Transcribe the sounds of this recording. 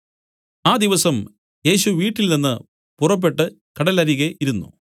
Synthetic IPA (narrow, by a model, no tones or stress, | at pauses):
aːd̪iʋɐsɐm | je̞ːɕuʋiːʈːilninːɨ | purɐp̬ːe̞ʈːɨ | kɐɽɐlɐɾiɣeʔiɾunːṵ